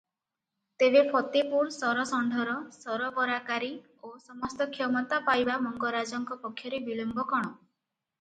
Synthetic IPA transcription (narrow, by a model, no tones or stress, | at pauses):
t̪ebepʰɔt̪epuɾsɔɾɔsɔɳɖʱɔɾɔsɔɾɔbɔɾakaɾi | osɔmɔst̪ɔkʰjɔmɔt̪apajbamɔŋɡɔɾad͡ʒɔŋkɔpɔkʰːjɔɾebilɔmbɔkɔɽ̃ɔ